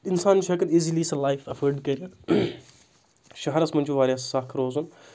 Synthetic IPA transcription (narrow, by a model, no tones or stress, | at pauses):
insaːnt͡ʃʰɐkɐniːziliːsɐlajfɐfəɾɖkɐɾɐ | ʃɐɦɐɾɐsmɐnt͡ʃʰuʋaːɾʲaːssaːkʰɾoːzun